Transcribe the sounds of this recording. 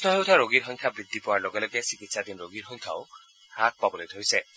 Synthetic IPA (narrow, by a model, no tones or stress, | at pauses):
snɔɦewt̪ʰaɾoɡiɾxɔŋkʰjabɾid̪ʱːipɔwaɹloɡɛlɔɡɛsikit̪sad̪inɾoɡiɾxɔŋkʰjao | hak̚pabɔlejt̪ʰojsɛ